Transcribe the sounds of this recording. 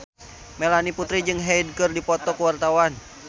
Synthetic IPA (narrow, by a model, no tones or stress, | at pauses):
mɛlaniput̪ɾid͡ʒɨŋɦɛid̚kɨrdipɔt̪ɔkuwart̪awan